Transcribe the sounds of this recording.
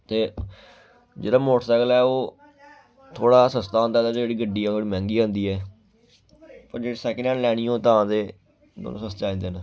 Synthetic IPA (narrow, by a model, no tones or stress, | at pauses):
t̪eː | d͡ʒḛːɽaːmoːʈsəɡəlɛːoː | t̪ʰoːɽaːsəst̪aːɦːnd̪aːt̪aːd͡ʒeːɽiːɡəɖːiːɛːt̪ʰoːɽiːmɛ̃ːŋɡiːɦõːnd̪iːɛː | pəɾd͡ʒeːɽeːsɛːkənaːlɛːɽ̃ĩːõːt̪ãːt̪eː | d̪o̰ːnõ̰ːsəst̪aːĩːnd̪eːn